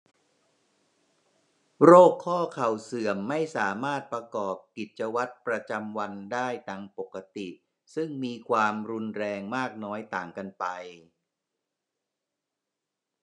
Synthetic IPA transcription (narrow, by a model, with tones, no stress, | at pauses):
ɾoː˥˩kʰːɔː˥˩kʰa˨˩wsɯ˨˩əmːa˥˩jsaː˩˦maː˥˩t̪̚pɾa˧kɔː˨˩p̚ki˨˩t̪̚t͡ɕa˧wa˦˥t̪̚pɾa˧t͡ɕa˧mwa˧ndaː˥˩jt̪aː˧ŋpo˨˩kːa˧t̪i˨˩ʔ | sɯ˥˩ŋmiː˧kʰwaː˧mɾu˧nɾɛː˧ŋmaː˥˩k̚nɔː˦˥jt̪aː˨˩ŋka˧npa˧j